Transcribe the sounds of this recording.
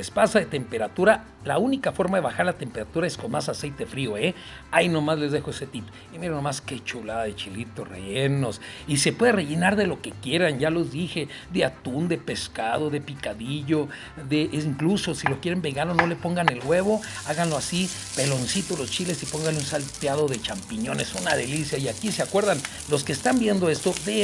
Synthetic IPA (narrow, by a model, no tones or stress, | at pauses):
lespasaðet̪e̞mpe̞ɾat̪uɾa | launikafo̞ɾmaðe̞βaxaɾlat̪e̞mpe̞ɾat̪uɾaesko̞nmasasejt̪e̞fɾio̞e | aino̞mazle̞zðe̞xoeset̪ip | imiɾanomaske̞t͡ʃulaaðet͡ʃilit̪orḛʝeno̞sise̞pwe̞ðere̞ʝe̞naɾðe̞lo̞ke̞kje̞ɾanʝalo̞zðixe̞ | ðeat̪und̪e̞pe̞ska̰ðo̞ðe̞pikaðiʝo̞ | ðeʔiŋkluso̞silo̞kjeɾe̞mbeɣanlono̞le̞po̞ŋɡane̞lɣwe̞βo̞ | aɣanloasi | pe̞lo̞nsit̪olo̞st͡ʃile̞sipo̞ŋɡanlunsalt̪jaðo̞ðe̞t͡ʃampiɲo̞ne̞sunaðe̞lisjaiakiseakwe̞ɾðan | lo̞skeːst̪ambje̞nd̪o̞e̞st̪o̞ðe